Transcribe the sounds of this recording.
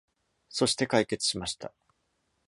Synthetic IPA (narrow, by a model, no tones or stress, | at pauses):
so̞ɕi̥t̪e̞kaike̞t͡sɨ̥ɕimaɕi̥t̪a̰